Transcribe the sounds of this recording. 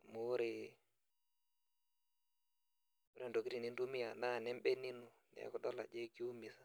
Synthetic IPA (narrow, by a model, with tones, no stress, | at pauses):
mo˦ɾe˨ | u˦ɾe˨ndo˨ki˦ɾi˨ni˦ndu˦mi˦a˨na˦˨nɛ˦m˦bɛ˦ni˦nu˨nɛ̰˦kɔ˨dɔ˦la̰˨d͡ʒe˦ki˦u˦mi˨sa˨